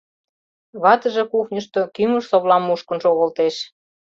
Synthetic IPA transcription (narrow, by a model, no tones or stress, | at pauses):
βɑt̪ə̆ʒĕkuxnʲəʃt̪okyməʃsoβlɑmːuʃkə̆nʃoɣə̆lt̪eʃ